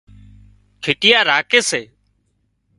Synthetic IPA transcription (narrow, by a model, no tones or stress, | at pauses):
kʰɪʈɪjaːɾaːkeːseː